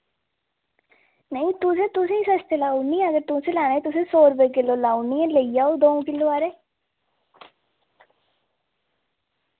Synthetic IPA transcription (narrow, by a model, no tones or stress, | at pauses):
nəĩt̪ʊsẽːt̪ʊsẽːiːsəst̪elaːunːĩəɡəɾt̪ʊsẽːlaːnẽːt̪ʊsẽːsoːɾəbekɪloːlaːunːiẽləijaːod̪oːõkɪlːoːaːɾeː